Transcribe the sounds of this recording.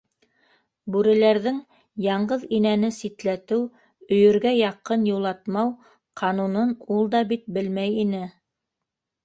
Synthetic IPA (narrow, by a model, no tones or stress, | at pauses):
bʉɾɘ̆læɾðɘŋ | jɑɴɢɤðinænɘsit̪læt̪ɘw | ɵ̆jɵ̆ɾɡæjɑqɤnjulˠɑt̪mɑw | qʰɑnunɤnulˠd̪ɑbit̪̚bɘlmæjinɘ